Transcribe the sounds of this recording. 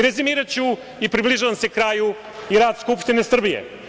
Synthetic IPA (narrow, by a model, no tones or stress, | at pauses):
ɾezimiːɾat͡ɕu | ipɾibliʒaːʋamse̞kɾaːju | iɾaːd̪skupʃt̪inesr̩bijḛ